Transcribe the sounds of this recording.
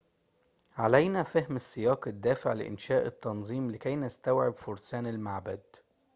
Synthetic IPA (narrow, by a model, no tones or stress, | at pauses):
ʕalæjnæfæhmɪsːɪjɑːqɪd̪ːæːfɪʕlɪ̰ʔɪ̰nʃæːʔɪt̪ːɑnzˤiːmlɪkæjnɪst̪æwʕɪbfʊɾˤsæːnɪlmaʕbæd̪